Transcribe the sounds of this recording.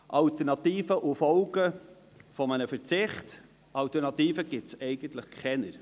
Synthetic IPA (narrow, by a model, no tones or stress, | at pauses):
ʔɑlt̪əɾnɑt̪iːfəʔufɔwɡə | fɔmənəfəɾt͡sɪχt | ɑlt̪əɾnɑt̪iːfəɡɪtsɛɪɡ̥ənt̪ləχkʰɛnəɾ